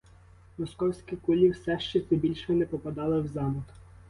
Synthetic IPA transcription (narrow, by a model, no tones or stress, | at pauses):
mɔskɔwsʲkʲikʊlʲiwsɛʃt͡ʃɛt̪sɛbʲilʲʃɛnɛpɔpɐd̪ɑlˠɪwzɑmʊk